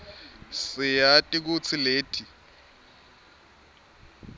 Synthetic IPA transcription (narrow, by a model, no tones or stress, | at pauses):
sɪjatʼik̬ut͡sʰɪleːtʰi